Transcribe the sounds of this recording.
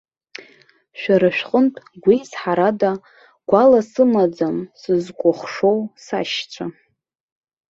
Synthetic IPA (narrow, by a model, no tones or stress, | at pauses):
ʃᶣaɾɨʃᶣqʼəntʼɡʷisħaɾada | ɡ̥ʷalasɨmad͡zamsɨzkʷʼʊχʂo̞wsa̰ʃt͡ɕʷʰa